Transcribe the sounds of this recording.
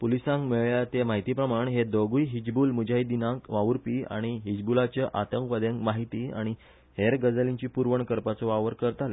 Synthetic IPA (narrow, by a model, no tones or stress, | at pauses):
pulisãŋkmeɭɭjat̪emaɦit̪ipɾəmaɳ̃ɦed̪oɡujɦid͡ʑbuːlmud͡ʑajd̪inãkʋaʋuɾpiːa̰ɽ̃iɦid͡ʑbulat͡ɕjəʔat̪əŋkʋəd̪ẽŋkmaɦit̪iːa̰ɽ̃i | heɾɡəd͡zəlĩɲt͡ɕiːpuɾʋəɳkəɾpat͡sɔʋaʋəɾkəɾət̪ale